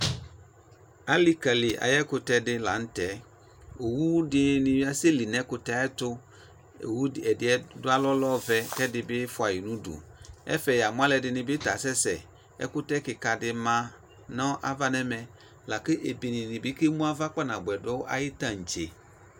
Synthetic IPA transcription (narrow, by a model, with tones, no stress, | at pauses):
a˦li˦ka˨lɪ˨ʔa̰˨jɛ˦kʊ˦t̪ɛ˦dɪ˦la̰˨n̩˦t̪ɛ˨˦ | o˨wu˦dɪ˦nɪ̃˨wi˦a˦se˦li˨nɛ̃˦kʊ˦t̪ɛ˦ɛ˦t̪ʊ˦ | o̰˨wu˦˨ɛ˨dɪ˨˦ɛ˦dʊ˦a˦lɔ˦lɔ˦vɛ˦kɛ˦dɪ˨bɪ˦fʊ˦a˨ji˨nũ˦dṵ˨ɛ̰˦fɛ˨ja˨mʊ̃˦a˦lɛ˨dɪ˨nɪ̃˨bɪ˦t̪a˨sɛ˦sɛ̰˨ | ɛ̰˦kʊ˦t̪ɛ˦kɪ˨ka˨dɪ˨mã˦ | nɔ̃˦ʔa˨va˦nɛ˦mɛ̃˨ | la˨kɪ˦ʔe˨bi˨nĩ˨nɪ̃˨bɪ˦kɪ˦mũ˦a˦va˦k͡pɔ˦nã˨bʊ˨ɛ˨dɔ˦wo˦ʔa̰˨jɪ˦t̪ã˦˨ŋ̩˨t͡ʃe˨